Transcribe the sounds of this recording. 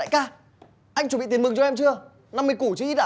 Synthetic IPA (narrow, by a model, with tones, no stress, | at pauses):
a̰ː˧˨jkaː˧˩ | ʔa˧jŋu˧˩ɓḭ˧˨i˨˦ə˦mɨ˨˩ŋt͡ɕɔ˧ɛ˧mt͡ɕɨ˧ə | na˧mːɨ˧jku˧˩t͡ɕɨ˧ʔi˦˥t̚ɗa̰ː˧